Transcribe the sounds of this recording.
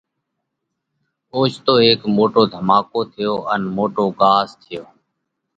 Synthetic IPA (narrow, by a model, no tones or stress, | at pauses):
oːt͡ʃt̪oːɦeːkmoːʈoːd̪ʱəmaːkoːt̪ʰɪjoːʔənmoːʈoːɠaːst̪ʰɪjoː